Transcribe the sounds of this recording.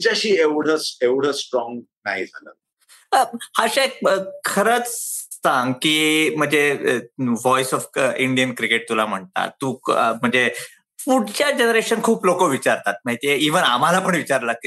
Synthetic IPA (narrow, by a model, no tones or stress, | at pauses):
t͡ɕaɕiːeʋɽ̤ət͡seʋɽ̤əsʈɾɔ̃ŋɡ | naɦid͡zʱalə̰t̪ | əhaɕeek̚əkʰəɾət͡ssãŋɡkiːm̤əɳd͡ze | ʋɔjsɔfiɳɖijənkɾikeʈ̚t̪ulam̤əɳt̪a̰t̪ːum̤əɳd͡ze | fuɽt͡ɕjad͡ʑenɾeɕənkʰuːplokoʋit͡ɕaɾt̪at̪̚maɦit̪ijeiʋənam̤alapəɳʋit͡ɕaɾləki